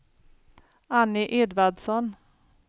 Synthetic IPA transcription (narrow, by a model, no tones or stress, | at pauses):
anːɪʔeːd̪vaɖsɔn